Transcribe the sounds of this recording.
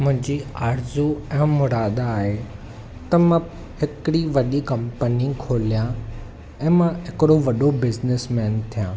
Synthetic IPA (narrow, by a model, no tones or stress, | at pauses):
mʊ̃ɦɪ̃ɲd͡ʑiaːɾzuɛ̃mʊɾaːd̪aːɦe | t̪ɐmã | ɦɪkɪɽiʋɐɗikɐ̃mpənikʰoːlijã | ɛ̃ːmãɦɪkɪɽoʋɐɗobɪznɪsmɛːnt̪ʰijãː